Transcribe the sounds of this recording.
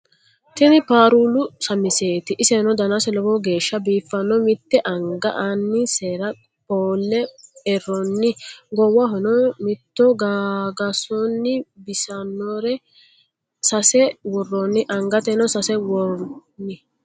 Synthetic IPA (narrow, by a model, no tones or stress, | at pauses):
t̪ɛnɪpaːɾuːlʊsɐmɪseːt̪ɪʔɪsɛhnɔd̪ɐnɐsɛlɔbɔɡe̞ːʃːɐbiːfːɐnːɔmɪt̪ːɛʔɐŋɡɐʔanːɪseːɾɐ | poːlːɛɛrɔnːɪɡɔwɐɦɔnɔmɪt̪ːɔɡaːɡɐsɔnːɪbɪsɐnːoɾɛ | sɐsɛwɔrːɔnːɪʔɐŋɡɐt̪ɛnɔsɐsɛwɔnɪ